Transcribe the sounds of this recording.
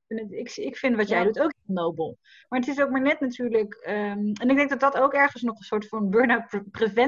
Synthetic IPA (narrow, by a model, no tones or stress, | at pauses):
ɪnətɪksɪkfɪndʋɑtjɛjdutowkɦɪlˠnowbəlˠ | maːɹətɪs̬owk̚maːɹnɛtnatyːɹləkəɛnɪɡ̚dɛŋɡdɑt̚dɑtowkɛɹχənsnɔχənsʊːɹtfɑnbøɹnaprevɛ